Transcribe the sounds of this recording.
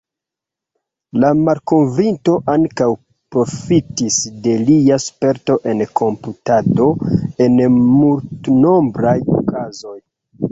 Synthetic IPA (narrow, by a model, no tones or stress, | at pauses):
lamalko̞nvinto̞ʔaŋkaw | pɾo̞fitisde̞liaspe̞ɾto̞ʔe̞nkʰo̞mputado̞e̞nmultno̞mbɾajo̰kazo̞j